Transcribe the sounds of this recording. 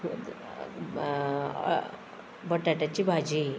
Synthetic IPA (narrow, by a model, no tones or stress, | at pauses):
bəʈaʈat͡ɕibʱad͡ʑi